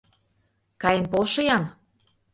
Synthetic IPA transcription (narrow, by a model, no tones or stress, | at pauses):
kɑjə̆npolʃɤ̆jɑn